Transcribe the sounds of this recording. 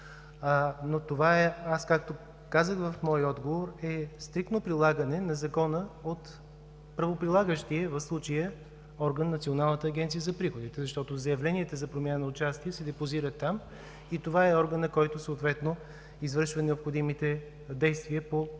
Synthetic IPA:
not̪ovaɛaskak̚t̪o | kazəxvɐfmɔjɔd̪ɡovoɾɛst̪ɾikt̪nopɾilˠaɡənɛnɐzɐkɔnəot̪ | pɾɐvopɾilˠaɡəʃt̪iəvɐfslˠut͡ʃəjə | ɔɾɡənːɐt̪sionalˠnət̪əːɡʲɛnt̪sijəzɐpɾixod̪it̪ɛzɐʃt̪ɔt̪ozɐjɐvlɛniɛt̪əzɐpɾomʲjanənɐʊt͡ʃast̪iəsɛd̪ɛpoziɾət̪ːam | it̪ovaɛɔɾɡənɐkɔjt̪ʊsoːt̪vɛt̪no | izvɤɾʃvənɛopxod̪imit̪ɛ | d̪ɛjst̪viəpo

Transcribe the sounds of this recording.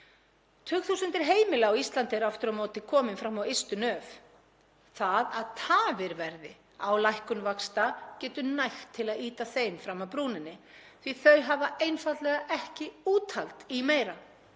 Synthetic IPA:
t̪ʰʏːkθuːsʏnt̪ɪɾ̥ɦeːjmɪlaawist̪lant̪ɪɛɾaft̪ʏɾamoːt̪ɪkʰɔːmɪnfɾamːawest̪ʏnœːv | θaðaðt̪ʰaːvɪɾvɛɾðɪ | awlajhkʏnvakst̪acɛːt̪ʏnajxt̪ʰːɪlaðiːt̪aθejmfɾamːawpɾuːnɪnːɪθviθœɥɦavaejnfat̪lɛɣaʔɛhcɪuːt̪ʰalt̪imeːjɾa

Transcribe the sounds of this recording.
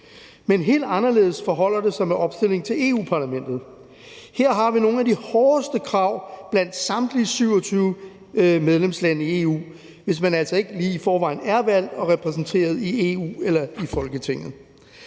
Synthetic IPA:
menɦe̝̰ːld̥ɑ̈nɐle̝ð̩ˠəsfɒ̽ɦɒ̽l̰ɐd̥e̝sɑɪmeʔɒ̽b̥sd̥e̝le̝ŋt͡sʰe̝le̝ːṵːpʰɑ̈ːlæmen̰d̥ð̞̩ˠ | heɐ̰ɦɑ̈ʋino̝ːn̩æd̥ihɒːsd̥əkʰʁɑ̈ʊ̰b̥læn̰d̥sɑ̈md̥liəsyʊ̰ɒt͡sʰyːʊ | með̞ˠlemslænəie̝ːṵː | ʋe̝smænæl̰sɒ̽e̝ɡ̥liːifɒːʋɑ̈ɪ̰n̩æɐʋæl̰d̥ɒ̽ʁɛpʰʁɛsn̩t͡sʰe̝̰ːɐð̞ˠie̝ṵːelɐifɒ̽lɡ̥ət͡sʰe̝ŋ̰ð̩ˠ

